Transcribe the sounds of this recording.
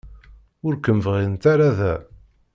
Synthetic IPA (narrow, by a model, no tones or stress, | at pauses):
ʊɾkəmvʁint̪aɾaðæ